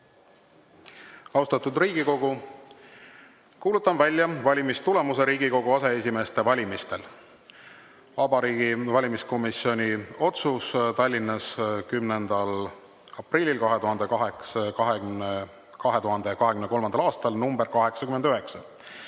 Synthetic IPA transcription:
ɑwst̪ɑt̪ud̪riːɡ̥iko̞ɡu | kuːlut̪ːˑɑnvælʲːjɑvɑlʲimist̪ule̞muse̞ɾiːɡiko̞ɡ̥uɑse̞esʲime̞ːst̪e̞vɑlʲimist̪e̞l | vɑbɑɾiːɡ̥ivɑlʲimisko̞misio̞nʲio̞t̪sust̪ɑlʲːinːɑskymnend̪̥ɑl | ɑprilʲːilkɑɦe̞t̪uɦɑnd̪ekɑɦekskɑɦ | kɑɦe̞t̪uɦɑnd̪ekɑɦe̞kymneko̞lmɑnd̪ɑlɑːst̪ɑlnumbeɾkɑɦe̞ksɑkyme̞nd̪yɦe̞ksɑ

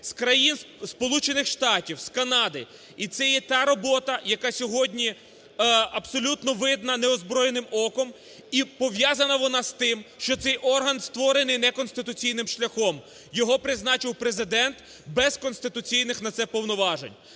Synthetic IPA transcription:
skɾɐjin | spɔlˠut͡ʃenɪxʃt̪ɑtʲiwskɐnɑd̪ɪ | it̪sɛjɛt̪ɑɾɔbɔt̪ɐjɐkɑsʲɔɦɔdʲnʲi | ɐbsɔlʲut̪nɔʋɪd̪nɐnɛɔzbɾɔjenɪmɔkɔm | ipɔʋjazɐnɐʋɔnɑst̪ɪmʃt͡ʃɔt̪sɛjʔɔrɦɐnst̪ʋɔɾenɪjnɛkɔnsʲt̪ɪt̪ʊt͡sʲijnɪmʃlʲɐxɔm | jɔɦɔpɾɪznɑt͡ʃɪwpɾezɪd̪ɛnt̪ | bɛzkɔnsʲt̪ɪt̪ʊt͡sʲijnɪxnɐt̪sɛpɔwnɔʋɑʒḛnʲ

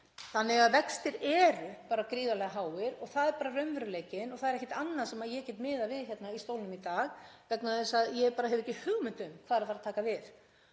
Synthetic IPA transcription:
θanːɪɣaðvɛkst̪ɪɾɛːɾʏpaːɾakɾiːðalɛɣaɦaːwɪɾɔɣθaðɛɾpaːɾarœɥnvœɾʏleːjcɪnɔɣθaðɛɾɛhcɪt̪anːaɾ̥sɛmaðjɛcɛːt̪mɪːðavɪðçɛt̪naist̪owlnʏmit̪aːɣvɛknaðɛsaðjɛpaːɾaɦɛvʏɛcːɪhʏɣmʏnt̪ʏmkʰvaːðɾafaɾaðt̪ʰaːkavɪð

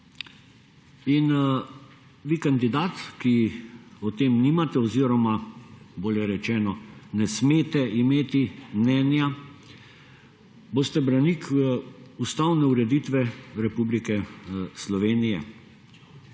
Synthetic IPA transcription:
in | ʋikand̪id̪aːt̪kiɔt̪eːmniːmat̪ɛɔziɾɔmaboːljɛɾɛt͡ʃɛːnɔnɛsmeːt̪ɛʔimeːt̪imnɛːnja | boːst̪ɛbɾanikʰ | ust̪awnɛuɾɛd̪iːt̪ʋɛɾɛpublikɛslɔʋeːnijɛ̰

